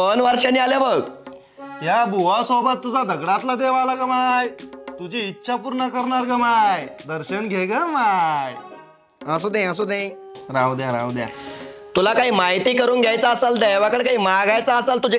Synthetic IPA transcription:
ənʋəɾʂəniːaljebəɡ | ɦjabʱuʋasobət̪ːud͡zʱad̪əɡɽat̪lad̪eʋalaɡəmajt̪ud͡ʑiːtːɕʰapuɾɳəkəɾɳaɾɡəmajd̪əɾɕənɡʱeɡəmaj | əs̬ud̪ẽəsud̪ẽj | ɾaʋd̪jaɾa̰ʋd̪ja̰ | t̪ulakaɦiːmaɦit̪iːkəɾuːnɡʱjajt͡saːsald̪ajʋakəɳkaɦiːmaɡajt͡saːsalt̪ud͡ʑe

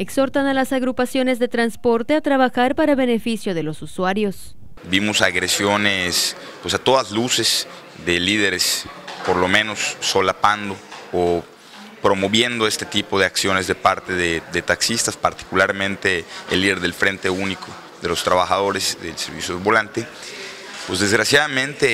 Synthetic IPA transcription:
ekso̞ɾt̪analasaɣɾupasjone̞zðe̞t̪ɾanspo̞ɾt̪e̞at̪ɾaβaxaɾpaɾaβe̞ne̞fisjo̞ðe̞lo̞suswaɾjo̞s | bimosaɣɾesjo̞nes | pwe̞sat̪o̞ðazluse̞s | ðeliðe̞ɾespo̞ɾlo̞mẽno̞sːo̞lapand̪oo | pɾo̞mo̞βje̞nd̪oe̞st̪e̞̥t̪ipo̞ðe̞aksjo̞ne̞zðe̞paɾt̪e̞ðeðet̪aksist̪aspaɾt̪i̥kulaɾmẽ̞nt̪e̞ḛlːiðe̞ɾðe̞lfɾe̞nt̪e̞unikʰo | ðe̞lo̞st̪ɾaβaxað̞o̞ɾezðelseɾβḭsjoðeβolant̪e | pwezðe̞zɣɾasjaðamẽnt̪e

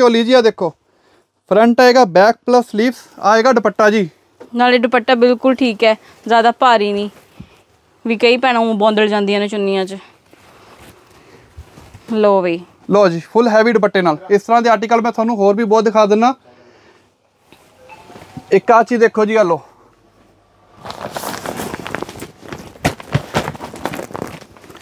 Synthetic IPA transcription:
t͡ʃoːliːd͡ʒiːaːd̪eːkʰːoː | pʰɾəɳʈɛːeːɡaːbɛːk̚pləsːliːpsaːeːɡaːɖɪpəʈːaːd͡ʒiː | naːleːɖɪpəʈːaːbɪlkʊlʈʰiːkɛː | zjaːd̪aːpaːɾiːniː | ʋiːkəiːpɛːɽãːbɔ̃ːnd̪əld͡ʒãːnd̪ijãːnẽːt͡ʃʊnːɪjãːt͡ʃ | loːʋeː | loːd͡ʒiːpʰʊlɦɛːʋiːɖpəʈːeːnaːlɪst̪əɾãːd̪eːaːɾʈiːkəlmɛ̃ːt̪ʰwaːnũːɦoːɾbiːbɔːt̪d̪ɪkʰaːd̪ɪnːaː | ɪkːaːt͡ʃiːd̪eːkʰːoːd͡ʒiːɡəlːoː

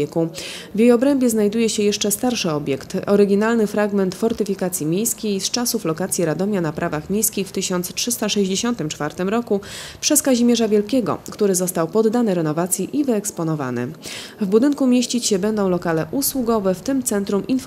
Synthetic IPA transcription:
ɛku | vʲjejɔbɾɛmbʲjɛznajd̪ujɛɕɛjɛʂt͡ʂɛst̪aɾʂɘɔbʲjɛkt̪ɔɾɘɡʲinalnɘfɾaɡmɛnt̪fɔɾt̪ɘfʲikat̪sʲjimʲjejskʲejst͡ʂasuflɔkat̪sʲjiɾad̪ɔmʲjanapɾʔavaxmʲjejskʲixft̪ɘɕɔnt̪stʂɘst̪aʂɛʑd͡ʑeɕɔnt̪ɘmt͡ʂfaɾt̪ɘmɾɔkupʂɛskaʑimʲjɛʐavʲjɛlkʲɛɡɔ̰kt̪uɾɘzɔst̪awpɔd̪ːanɛɾɛnɔvat̪sʲjiʔivɘɛkspɔnɔva̰nɛ̰vbud̪ɘŋkumʲjeɕt͡ɕit͡ɕɕɛbɛnd̪ɔ̃w̃lɔkalɛʔuswuɡɔvɛft̪ɘmt̪sɛnt̪ɾumʔinf

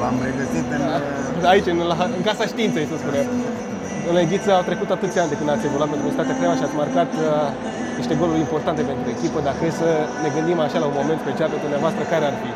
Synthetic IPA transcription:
ampɾeɡət̪it̪̚pen | ait͡ʃɨnlaɨŋkasaʃt̪iːnt̪sejsəspunam | ɨnlaiɡʲit̪səawt̪ɾe̞kut̪at̪ɨt̪sʲeant̪ekɨnd̪atsʲjaɡulat̪met̪umesit̪at̪jakɾawaʃiat̪sʲmarkat̪ | niʃt̪e̞ɡo̞luɾʲimpo̞rt̪ant̪e̞pe̞nt̪ɾue̞kʲipəd̪akɾesəne̞ɡɨnd̪imaʃalaunmo̞met̪spet͡ʃiald̪umnavoast̪ɾəkaɾearfi

